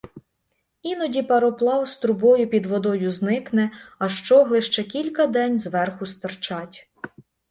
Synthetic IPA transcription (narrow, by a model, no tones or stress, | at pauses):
inɔdʲipɐɾɔplˠɑwst̪ɾʊbɔjʊpʲid̪ʋɔd̪ɔjʊznɪknɛɐʃt͡ʃɔɦlˠɪʃt͡ʃɛkʲilʲkɐd̪ɛnʲzʋɛrxʊst̪ɐrt͡ʃɑtʲ